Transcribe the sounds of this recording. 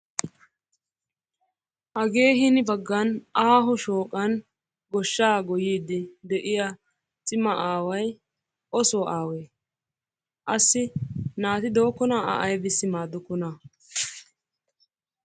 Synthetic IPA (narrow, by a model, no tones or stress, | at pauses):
ʔɐɡe̞ːɦɪnɪbɐɡːɐnaːɦʊʃoːkʼːɐn | ɡɔʃːaːɡɔjiːd̪ɪd̪ɛʔɪjɐ | t͡sʼɪmɐʔaːwɐj | ʔɔsoːʔaːweː | ʔɐsːɪnaːt̪ɪd̪o̞ːkːɔnaːa̰ʔɐjbɪsːɪmaːd̪ʊkːʊna